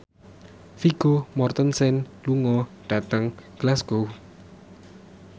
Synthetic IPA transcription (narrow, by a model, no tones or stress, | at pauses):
fiɡ̥omɔrt̪ənsɛnluŋɔɖ̥a̤t̪əŋɡ̥lasɡ̥o